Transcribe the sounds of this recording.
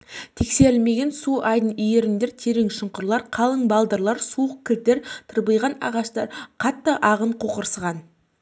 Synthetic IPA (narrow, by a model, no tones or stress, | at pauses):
t̪ʰekse̞ɾɪlme̞ɡʲe̞nsuɑjd̪ənije̞ɾɪnd̪e̞ɾt̪ʰe̞ɾɪŋʃəɴqʊɾlˠɑɾqʰɑlˠəɴbɑlˠd̪əɾlˠɑɾsuəq̚kʲʰɪlt̪e̞ɾt̪ʰəɾbəjʁɑnɑ̰ʁɑʃt̪ɑɾqʰɑt̪ːəʔɑʁəɴqʰo̞qəɾsəʁɑn